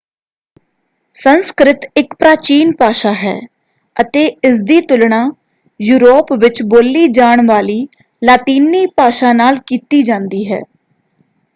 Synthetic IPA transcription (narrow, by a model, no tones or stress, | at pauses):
sənskɾɪt̪ɪkpɾaːt͡ʃiːnpaːʃaːɦɛ̰ː | ət̪eːɪs̬d̪iːt̪ʊlɳaː | juːɾoːpʋɪt͡ʃboːlːiːd͡ʒaːɳʋaːliː | laːt̪iːniːpaːʃaːnaːlkiːt̪iːd͡ʒãːnd̪iːɦɛ̰ː